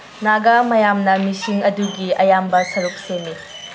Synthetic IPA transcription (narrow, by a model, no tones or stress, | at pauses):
naɡamɐjamnɐmisiŋɐduɡiɐjambɐsɐɾuk̚senːi